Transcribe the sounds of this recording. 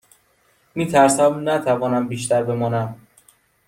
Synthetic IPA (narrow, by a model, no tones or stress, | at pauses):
miːt̪ʰæɾsæmnæt̪ʰævɒːnæmbiːʃt̪æɾbe̞mɒːnæm